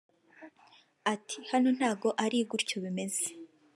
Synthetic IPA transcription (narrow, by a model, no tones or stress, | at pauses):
atʰihano̞n̥haːɡo̞ʔaɾiɡuɾcoβime̞ze